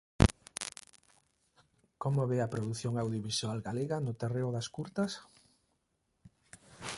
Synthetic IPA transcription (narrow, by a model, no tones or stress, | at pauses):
komoβeɐpɾoðuθjoŋawðjoβisualɡaleɣɐnʊt̪ereʊðɐskuɾt̪ɐs